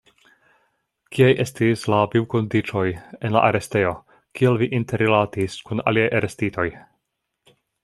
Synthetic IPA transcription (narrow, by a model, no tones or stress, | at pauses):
kiajʔe̞stislaviwko̞ndit͡ʃo̞je̞nla̰ʔaɾe̞ste̞jo̞ | kʰielviʔinteɾilatiskuna̰liajʔaɾestitʰo̞j